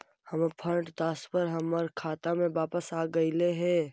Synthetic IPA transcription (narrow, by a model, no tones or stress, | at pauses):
hɐmpʰə̃ʈd̪aːspəɾɦɐməɾkʰaːt̪amẽʋaːpəsaːɡəileɦɛ̃ː